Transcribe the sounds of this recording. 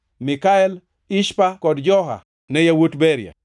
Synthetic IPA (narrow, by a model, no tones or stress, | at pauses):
mɪkaɛl | iʃpakɔdd͡ʒɔɦa̰ | nɛjawotbɛɾja̰